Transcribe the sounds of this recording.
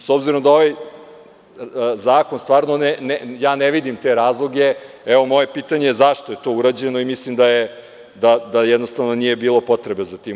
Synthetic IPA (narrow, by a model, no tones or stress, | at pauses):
sobziɾo̞md̪ao̞ʋaj | zaːkonst̪ʋaːɾnonenejaːneʋid̪imt̪eɾaːzlˠoɡe̞ | ɛʋo̞mo̞je̞piːt̪aɲejezaʃt̪oje̞t̪o̞uɾad͡ʑe̞no̞imislimd̪aje | d̪ad̪ajɛd̪no̞st̪aʋno̞nije̞biːlˠo̞po̞t̪ɾe̞be̞zat̪i